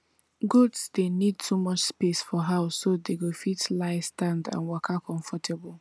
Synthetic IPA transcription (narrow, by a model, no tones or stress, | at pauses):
ɡotsdenid̚tʰumɔt͡ʃspesfɔɦaʊsːodeɡofitlaɪstãndã̰nwɔkʰakʰɔ̃ɱfɔtɛbɔl̩